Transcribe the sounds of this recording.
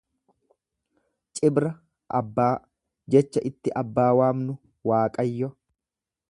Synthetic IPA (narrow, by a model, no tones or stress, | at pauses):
t͡ʃʼɪbɾɐ | ʔɐ̰bːaː | d͡ʒɛt͡ʃːɐʔɪt̪ːɪʔɐbːaːwaːmnʊ | waːkʼɐjːɔ